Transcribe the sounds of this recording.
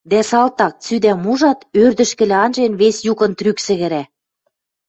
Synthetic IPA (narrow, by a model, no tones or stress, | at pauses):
d̪æsɑlt̪ɑk̚t͡syd̪æmuʒɑt̪ørd̪ə̆ʃkɘ̆lĕɑnʒenβesjukɤ̆nt̪ɾyksɘ̆ɣɘ̆ɾæ